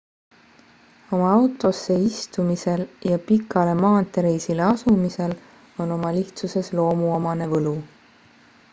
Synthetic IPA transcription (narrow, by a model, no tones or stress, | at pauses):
o̞mɑɑwt̪ˑo̞sːe̞ist̪umise̞ljɑpikːˑɑle̞mɑːt̪ːˑeɾejsile̞ɑsumise̞l | o̞no̞mɑliht̪suse̞slo̞ːmuomɑne̞vɤlu